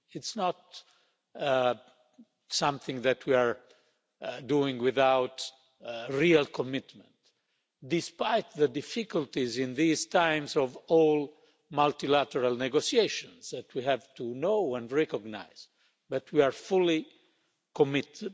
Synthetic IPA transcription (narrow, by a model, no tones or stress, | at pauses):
ɪtsnɔt̚ | sãmθɪ̃ŋðætʰwiaɹ | duɪ̃ŋwɪðawt | ɹialkʰɔmɪt̪mə̃nt | d̪ɪspajt̪ðədɪfikult̪izĩnðizt̪ãj̃mzɔvɔl | malt̪ilæt̪əɾalnɛɡosieʃɔ̃nzðætʰwiɦævtunoʊɛ̃ndɹɛkɔɡna̰ɪz̥ | bat̪ʰwiaɹfuli | kɔmɪt